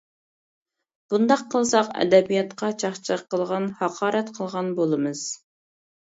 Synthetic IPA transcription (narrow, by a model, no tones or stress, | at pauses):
b̥und̪ɑqʰːəlˠsɑqɛ̰d̪ɛbijɑt̪qʰɑt͡ʃʰɑχt͡ʃʰəəqːəlˠʁɑnhɑqʰɑːɾɛt̪qʰəlˠʁɑnbolˠɨmɨz̥